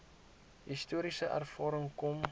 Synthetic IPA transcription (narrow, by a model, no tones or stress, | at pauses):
ɦistuəɾisəʔæ̰rfɑːɾəŋkɔm